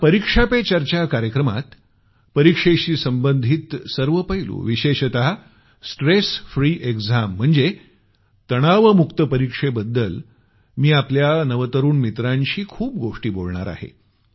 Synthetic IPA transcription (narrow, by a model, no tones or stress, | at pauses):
pəɾikʂapet͡ɕaɾt͡ɕakaɾjəkɾəma̰t̪ | pəɾikʂeɕiːsəmbənd̪ʱiːt̪səɾʋəpəɦilṵːʋiɕeɕət̪aɦa | sʈɾesfɾiːʔeɡd͡zam̤ːəɳd͡ze | t̪əɽ̃aʋəmukt̪əpəɾikʂebəd̪ːəl | miːapljanəʋət̪əɾuːnmit̪ɾãɲɕiːkʰuːp̚ɡoʂʈiːboɭɳa̰ɾa̰ɦḛ